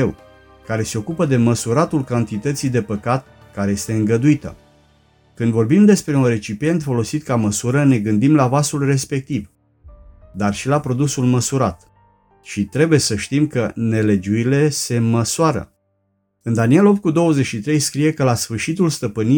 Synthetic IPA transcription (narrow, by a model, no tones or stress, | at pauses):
ew | kaɾe̞se̞o̞kupəd̪e̞məsuɾat̪ulkant̪it̪ət̪sid̪e̞pəkat̪̚ | kaɾeje̞st̪e̞ɨŋɡəd̪uit̪ə̰ | kɨnd̪vo̞rbimd̪e̞spɾe̞unre̞t͡ʃipie̞nt̪fo̞lo̞sit̪̚kaməsuɾəne̞ɡɨnd̪imlavasulre̞spe̞k̚t̪iv | d̪arʃilapɾo̞d̪usulməsuɾat̪ | ʃit̪ɾe̞bujesəʃt̪imkəne̞le̞d͡ʒuile̞se̞məsuaɾə̰ | ɨnd̪anie̞lop̚t̪̚kud̪o̞wəzet͡ʃʃit̪ɾe̞jskɾije̞kəlasfɨrʃit̪ulst̪əpɨni